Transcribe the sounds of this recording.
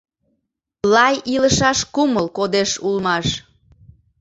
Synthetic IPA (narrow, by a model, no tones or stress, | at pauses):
lɑjiləʃɑʃkuməlkod̪eʃulmɑʃ